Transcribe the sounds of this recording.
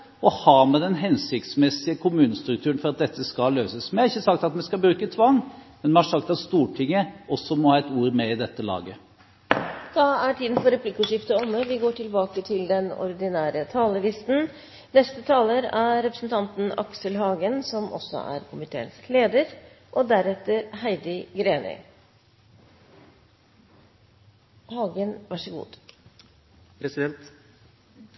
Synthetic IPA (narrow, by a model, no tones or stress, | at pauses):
ɔhɑːmɛd̪ɛnɦɛnsɪkt̪smɛsɪəkʰʊmʉːnəst̪ɾʉk̚t̪ʰʉːɾnfɔɾɑt̪̚d̪ɛt̪ːəskɑløːsəsmɛɑɾɪçːəsɑk̚t̪ɑt̪mɛskɑbɾʉːkət̪ʰʋɑŋmɛnmɛnhɑʂɑkt̪ɑt̪st̪uːʈʰɪŋːəɔsːɔmɔhɑːɛt̪uːɾmɛɪd̪ɛt̪ːəlɑ̰ːɡə | d̪̥ɑæʈʰiːd̪nfɔɾɛplɪkːʉʂɪft̪əɔmːəʋɪɡoːʈʰɪlbɑːkət̪ʰɪld̪ɛnɔ̰ɾd̪ɪnæːɾət̪ʰɑːləʋɪst̪n̩ | nɛst̪ət̪ʰɑːləɾæɾɾɛpɾəsn̩t̪ʰɑnt̪n̩ɑ̰ksəlɦɑːɡənsɔmʔɔ̰sɔ̰ʔæ̰ɾkʰʊmɪt̪ʰḛːənskleːd̪əɾ | ʔɔd̪æɾɛt̪ːəɾhæɪd̪ɪɡɾeːnɪ̰ | hɑːɡənʋæʂəɡṵːd̪ | pʰɾɛsɪd̪ɛnt̪